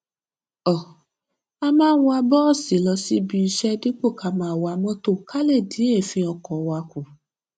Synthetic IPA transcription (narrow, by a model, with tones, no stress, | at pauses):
ɔ˨ | a˧mãː˦˧˦wa˧bɔ˦˨si˨˦lɔ˧si˦bi˧i˧ʃɛ˦di˦k͡po˦˨ka˨mãː˨wa˨˧˦mɔ̃˦to˦ka˦le˦˨di˨˦e˦˨fĩ˧ɔ˧kɔ˨wa˧ku˨